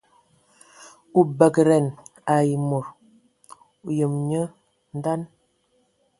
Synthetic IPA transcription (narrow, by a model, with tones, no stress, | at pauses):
u˨bə˨kɾɛ˨na˨ji˨mo˨ɾ | u˨jə˨mɲə˦ | n˦da˦n